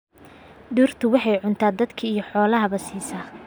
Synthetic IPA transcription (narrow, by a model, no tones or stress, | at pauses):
ɖuːrt̪ʰʊwɑħɑjʕʊnt̪ʰaːd̪ɐd̪kʰiijɞħɔːlɐɦɐβɐsiːsaː